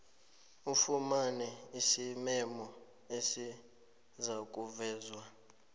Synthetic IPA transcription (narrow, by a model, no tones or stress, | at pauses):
ufumanɛisimɛmɔ | esi | zak̬ʼuvɛːzwa